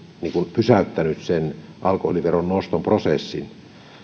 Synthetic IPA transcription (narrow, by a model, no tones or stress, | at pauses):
niːŋkunpysæˑyt̪ːænyssenʔɑlkoholiʋeronnost̪omprosesːḭn